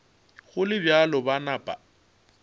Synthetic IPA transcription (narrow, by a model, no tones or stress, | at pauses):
ɣʊlɪbjalɔbanapʼa̰